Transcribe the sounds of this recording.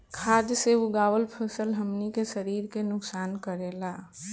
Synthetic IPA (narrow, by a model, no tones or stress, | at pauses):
kʰaːd̪seʊɡaːwəlpʰəsəlɦəmnikesəɾiːɾkenʊksaːnkəɾeːlaː